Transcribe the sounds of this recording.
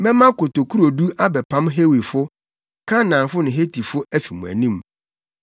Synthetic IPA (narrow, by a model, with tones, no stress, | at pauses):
mɛ̃˦mã˦ko˨to˨kʰu˦ɾo˨du˦a˦bɛ˨pʰã˦mɦe˦wi˨fʊ˦ | kʰã˦nã˨fʊ˦nʊ̃˨ɦe˦tʰi˨fʊ˦æ˦fi˨mũ˨æ̰˨nĩ˦m